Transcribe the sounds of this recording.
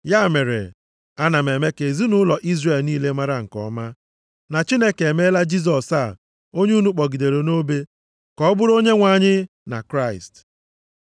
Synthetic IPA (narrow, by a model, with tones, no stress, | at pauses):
ja˦˨me˨ɾḛ˨ | a˦na˨me˨me˦ke˨zi˦nʊ˦lɔ˨ʔi˦zre˨lniː˦le˦ma˦ɾa˦ŋ̩˨kɔ̰˦ma˦ | na˨t͡ʃi˦ne˦ke˨me˦la˦d͡ʒi˦s̬ɔ˨sa˦˨ | o˦ɲe˦u˦nu˦k͡pɔ˨ɡi˨de˨ɾe˨no˦be˦ | kɔ˦bʊ˦ɾo˦ɲe˦ŋʷa˨ɲɪ˦ | na̰˨kɾa˦˨ɪ˨st